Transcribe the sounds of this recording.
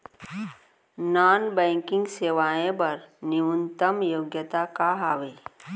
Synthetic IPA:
naːnbɛ̃ːŋkɪ̃ŋɡseːʋaːẽpɐɾnɪwunt̪əmjoːɡjət̪akaɦaːʋeː

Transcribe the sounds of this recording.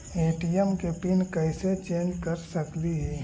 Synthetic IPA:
eːʈijəmkepɪnkɐɪset͡ʃẽːnd͡ʒkɐɾsɐkliɦɛː

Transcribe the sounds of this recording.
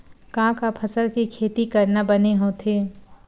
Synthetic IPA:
kãːkapʰəsəlkikʰeːt̪ikɐɾnabɐneɦõt̪ʰeː

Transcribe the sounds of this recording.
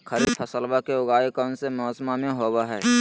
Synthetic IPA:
kʰəɾid̪pʰəsəlbakeʊɡaːekɔːnsemɔːsmamẽɦoːwaɦɛː

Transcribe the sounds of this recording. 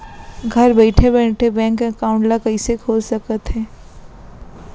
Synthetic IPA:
ɡʱɐɾbɛɪʈʰebɛːʈʰebɛ̃ːŋkẽkaːʊ̃ɳʈlakɐisekʰoːlsəkət̪ɦɛː

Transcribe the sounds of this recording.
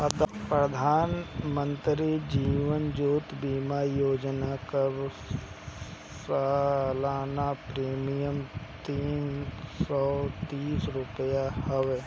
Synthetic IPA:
ɐd̪pɾəd̪ʱaːnmə̃nt̪ɾid͡ʒiːʋənd͡ʒuːt̪biːmaːjoːd͡ʒnakɐɾ | salaːnapɾiːmijəmt̪iːnsɔːt̪iːsɾʊpəjahɐʋe

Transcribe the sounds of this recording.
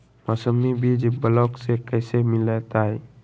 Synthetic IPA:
mɔsəmibʱid͡ʒbəlɔksekəɪsemɪlet̪aɦɛ

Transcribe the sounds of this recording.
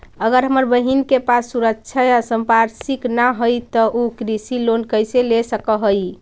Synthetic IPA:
əɡəɾɦəməɾbəɦinkepasːuɾəkt͡ʃʰəjasəmpaɾsiknaɦojt̪ɔʔokɾisilonkəjselesəkəɦəj

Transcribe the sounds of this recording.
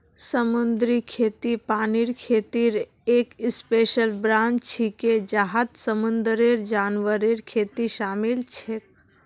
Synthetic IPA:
səmʊnd̪ɾikʰeːt̪ipaːniɾkʰeːt̪iɾ | eːkɪspeːʃəlbɾãːnd͡ʒt͡ʃʰiked͡ʒaɦat̪səmʊnd̪ɾeɾd͡ʒaːnʋəɾeɾkʰeːt̪iʃaːmilt͡ʃʰek̚

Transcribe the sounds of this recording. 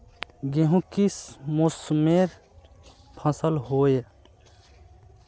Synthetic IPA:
ɡeɦũkismʊsmeɾ | pʰə̃səlɦoːe

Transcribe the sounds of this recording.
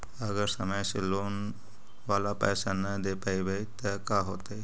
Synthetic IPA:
əɡəɾsəməjselon | ʋalapə̰jsanəd̪epajbəjt̪əkaɦoːt̪ej

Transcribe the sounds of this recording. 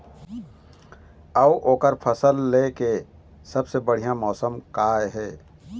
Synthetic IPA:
əbʔoːkəɾpʰəsəlːeke | səbsebəɽ̤ijãmɔːsəmkaeɦɛː

